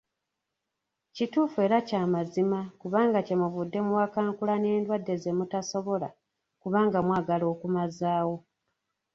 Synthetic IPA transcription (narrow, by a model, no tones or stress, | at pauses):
cituːfue̞ːɾacaːmazimakuβaːŋɡace̞muvudːe̞muwakaːŋkulane̞ːndwadːe̞zemutaso̞βo̞la̰ | kuβaːŋɡamwaːɡalo̞ːkumazaːwo̞